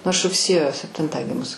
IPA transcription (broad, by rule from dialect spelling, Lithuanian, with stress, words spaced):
nʊ ɐʃ rʊkˈsʲeːjoː sʲɛpʲˈtʲɪntɑː ˈɡʲɪmʊs